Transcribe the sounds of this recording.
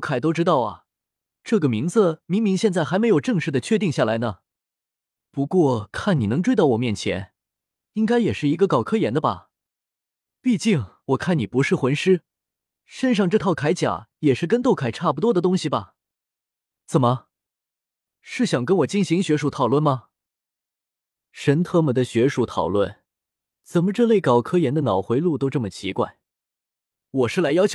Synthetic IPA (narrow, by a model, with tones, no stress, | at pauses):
ʊkʰa˨˩ɪt̪o˥ʊʈ͡ʂɻ̩˥t̪ɑ˥˩ʊɐ̰˩ | ʈ͡ʂɤ˥˩ɡə˩mi˧˥ŋd͡z̩˧mi˧˥ŋmi˧˥ŋɕjɛ˥˧nt͡sa˥˩ɪxa˧˥ɪme˧˥ɪjo˨˩ʊʈ͡ʂɤ˥˧ŋʂɻ̩˥˩d̪ə˩t͡ɕʰɥɛ˥˧t̪̬i˥˧ŋɕja˥˩la˧˥ɪnə˧ | pu˧˥kwɔ˥˩kʰa˥˩ni˨˩nɤ˧˥ŋʈ͡ʂwe˥ɪt̪ɑ˥˩ʊwɔ˨˩mjɛ˥˩nt͡ɕʰjɛ̰˧˥n | i˥ŋka˥ɪjɛ˨˩ʂɻ̩˥˩i˧˥ɡə˧kɑ˨˩ʊkʰɤ˥jɛ˧˥nd̪ə˧bɐ̰˩ | pi˥˧t͡ɕi˥˩ŋwɔ˨˩kʰa˥˩ni˨˩pu˧˥ʂɻ̩˥˩xwə˧˥nʂɻ̩˥ | ʂə˥nʂ̬ɑ˥˧ŋʈ͡ʂɤ˥˧t̪ʰɑ˥˩ʊkʰa˧˥ɪt͡ɕja̰˨˩˦jɛ˨˩ʂɻ̩˥˩k̬ə˥nt̪o˥˩ʊkʰa˨˩ɪʈ͡ʂʰa˥˩p̬u˧t̪̬wɔ˥d̪ə˨t̪ʊ˥ŋɕi˨˩bɐ˩ | t͡sə˨˩nmə˧ | ʂɻ̩˥˩ɕjɑ˨˩ŋkə˥nwɔ˨˩t͡ɕi˥˩nɕi˧˥ŋɕɥɛ˧˥ʂu˧˥t̪ʰɑ˨˩ʊlwə˥˩nmɐ˩ | ʂə˧˥nt̪ʰɤ˥˩mə˨˩d̪ə˧ɕɥɛ˧˥ʂu˧˥t̪ʰɑ˨˩ʊlwə̰˥˩n | t͡sə˨˩nmə˧˦ʈ͡ʂɤ˥˧le˥˩ɪkɑ˨˩ʊkʰɤ˥jɛ˧˥nd̪ə˧nɑ˨˩ʊxwe˧˥ɪlu˥˧t̪o˥ʊʈ͡ʂɤ˥˩mə˩t͡ɕʰḭ˧˥kwa̰˥˩ɪ | wɔ˨˩ʂɻ̩˥˩la˧˥ɪjɑ˥ʊt͡ɕʰ